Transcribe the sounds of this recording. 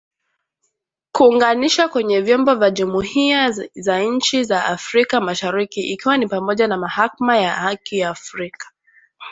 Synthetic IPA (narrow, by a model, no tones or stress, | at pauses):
kuːŋɡaniʃakwɛɲɛvjɔmbɔvjaʄumuhiazaɲ̩t͡ʃizaʔafɾikamaʃaɾikiʔikiwanipamɔʄanamahakamajahakijaːfɾikḁ